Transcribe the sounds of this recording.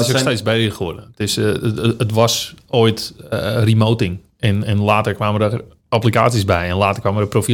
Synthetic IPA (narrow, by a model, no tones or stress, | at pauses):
soteːt͡sbɛɪxodəətɪsətʋɔsoːjtrimowtɪŋ | ɛnɛnlaːtərkʋaːmədə | ɔplikaːtisbɛjɛnlaːtərkʋaːmərəprofi